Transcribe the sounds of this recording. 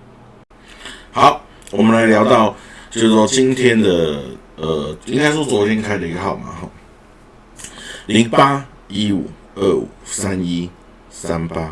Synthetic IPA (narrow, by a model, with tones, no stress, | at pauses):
ha˨˦ʊ | wɔ˨˩mə̃˦nla˧˦ɪljɑ˧˥ʊt̪ɑ˥˨ʊt͡ɕjo˥˧ʊswɔ˥˩t͡ɕi˦ŋt̪ʰjɛ˦˥nd̪ə˨ | ə˨˩i˥ŋɡa˥ɪswɔ˥˩t͡swɔ˨˥t̪ʰjɛ˥˧nkʰa˥ɪdə˨i˧ɡə˧˩ɑ˨˩ʊma̰˨xɔ̰˥˩ | li˨˧˥ŋpa˦ | i˥u˨˩ | ə˥˩ṵ˨˩sa˦ni˦ | sa˦npa˦